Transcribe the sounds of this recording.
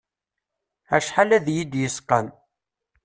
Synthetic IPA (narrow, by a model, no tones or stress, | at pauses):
æʃħalæðjid̪jəsqːə̰n